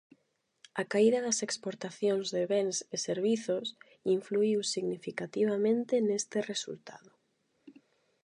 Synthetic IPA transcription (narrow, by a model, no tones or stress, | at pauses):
akaiðaðɐsekspoɾt̪aθjoŋzðeβeŋseseɾβiθos | iɱfluiwsiɣnifikat̪iβ̞amẽnt̪enest̪eresṵlt̪a̰ðʊ